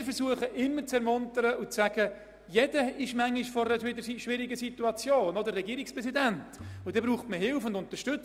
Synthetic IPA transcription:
ɾfəɾsuəχəʔɪmːəɾt͡sɛɾmʊnt̪əɾəʊt͡sæɡ̥ə | jɛd̥əɪʃmæŋːɪʃfɔɾəʋɪdəɾsiʃʋɪɾɪɡəsit̪uɑt͡sjoːnɔd̪ərːɛɡiːɾikspʁɛsid̪æntʊdɛbɾuːχtməɦɪlfʊndʊnt̪əɾʃtʏt͡s

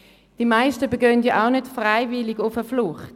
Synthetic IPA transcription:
d̥imaɪʃtəbəɡœntjaʔaʊnøtfraɪvɪlɪɡʊfəfluχt

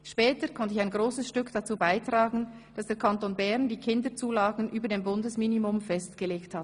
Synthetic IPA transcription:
ʃpɛːtəkʰɔntɛɪçaɪnɡʁoːsəsʃtʏkd̥at͡suːbaɪtʁ̥aːɡn̩d̥ɑsd̥eːɐkʰantoːnbɛʁndiːkʰɪndət͡suːlaːɡən̩ʔyːbədeːmbʊndəsmiːnimʊmfɛstɡ̥əleːkthat

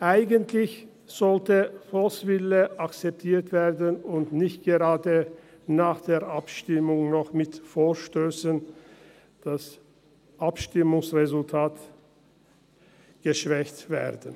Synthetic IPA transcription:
ʔaɪɡəntʰlɪç | z̥ɔltəfɔlsv̥ɪləʔakt͡sɛp̚tʰiːɐtv̥eːɐdən̩ʊntnɪçt̚ɡ̥əʁaːdə | naːχd̥eːɐʔapʃtɪmʊŋnɔχmɪtfoːʃtøːsən | d̥as | ʔapʃtɪmʊŋsʁezʊltʰaːt | ɡ̥əʃv̥ɛçtv̥ḛːɐdn̩

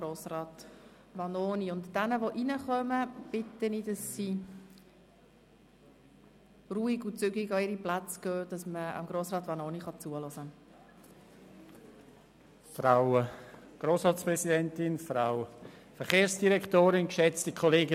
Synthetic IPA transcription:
ɾoːsrɑːt̪ | ʋɑnoːniʊntd̥ɛnəʋoʔinəχœməb̥ɪtənidɑsːi | ruːiɡut͡sʏɡiɡɑɪɾiplat͡skøːd̥ɑsməɑ̰mɡ̥ɾoːsrɑːt̪ʋɑnoːniχɑt͡suːəlɔzə | fɾaʊ | ɡ̥ɾoːsʁɑːtt͡spʁɛsidɛntɪnfɾaʊ | fɛɾχeːɾsd̥iʁɛktoːɾɪnkʃɛt͡stikʰɔleːɡɪ

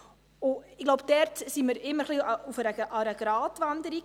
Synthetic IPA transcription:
ʊiɡ̥loʊp̚d̥ɛrtsiməɾɪmːəɾχliufəɾəəʔɑɾəɡɾɑːtvandəɾi

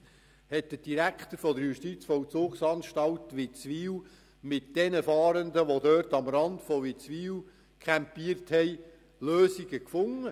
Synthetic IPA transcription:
hɛt̚d̪̥əd̥iɾækχt̪əɾfɔd̪əɾjuʃtit͡sfɔwt͡soːɡsɑːnʃtɑltʋɪt͡sʋiːw | mɪt̚d̥ɛnəfɑːɾənd̪əʋod̪øːrtɑmɾɑnd̪fɔʋɪt͡sʋiːw | kʰχæmpiəɾthɛj | løːsiɡəkfʊŋːə

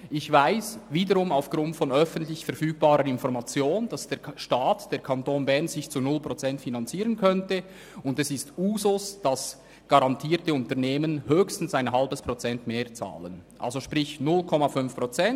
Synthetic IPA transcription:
ʔɪçvaɪsviːdəɾʊmaʊfɡ̥ʁʊntfɔnœfən̩tlɪçfɛɾfyːk̚b̥aːɾəɾɪnfɔɾmɑt͡sjoːnd̥ɑsd̥eːʃtaːtd̥eːkʰantoːnbɛnsɪçt͡sunʊlpʁ̥ɔt͡sɛntfinɑnt͡siːʁənkʰœntə | ʊndɛsɪstuːzosd̥ɑs | ɡ̥ɑɾɑntʰiːtəʊntəʁneːmənhøːçstn̩saɪnɦɑlbəspʁot͡sɛntmeːɐt͡sa̰ːlənʔa̰lzoʃpʁɪçnʊlkʰɔmafʏnfpʁɔt͡sɛnt

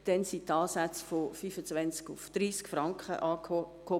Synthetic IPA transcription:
d̥ɛnsitɑːsat͡sfofyfət͡svɛnt͡skʊfd̪̥riːskfrɑŋkχə̰ʔɑːkokʰo

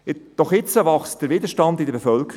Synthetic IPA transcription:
d̥ɔχɪt͡səvɑχsd̥əɾvidəɾʃtɑnd̪idəbɛfœlkʰə

